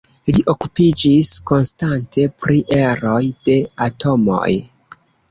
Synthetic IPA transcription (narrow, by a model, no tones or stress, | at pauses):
liʔo̞kupid͡ʒisko̞nstantʰe̞pɾiʔe̞ɾo̞jd̥e̞atʰo̞mo̞̰j